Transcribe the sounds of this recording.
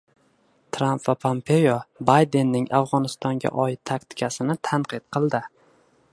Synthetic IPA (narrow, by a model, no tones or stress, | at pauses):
t̪ʰɾampvapʰompʰe̞jobajd̪e̞nːɪŋafʁɒnɪst̪ʰɒŋɡʲa̰ʔɒɪt̪̚ʰːakʲt̪ʰɪ̥kʲʰasɪnɪt̪ʰanqɨt̪̚qʰɨlˠd̪ɪ